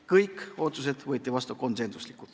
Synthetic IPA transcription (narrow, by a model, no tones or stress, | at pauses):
kɤjkːo̞ːt̪sus̬e̞d̪̥vɤːt̪ʲːˑivɑst̪uko̞nse̞nsu̥slikːˑut̪